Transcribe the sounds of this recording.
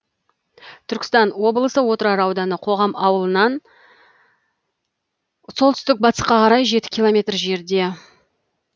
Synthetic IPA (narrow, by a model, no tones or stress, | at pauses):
t̪ʰʏɾkʲɪ̥st̪ɑnwo̞blˠəsəwo̞t̪əɾɑɾɑwd̪ɑnəqʰo̞ʁɑmɑwəlˠənɑn | so̞lˠt̪ʏst̪ɪk̚bɑt̪ə̥sqɑqʰɑɾɑjʒe̞t̪ɪ̥kʲʰilˠo̞mʲe̞t̪rʒe̞ɾd̪e̞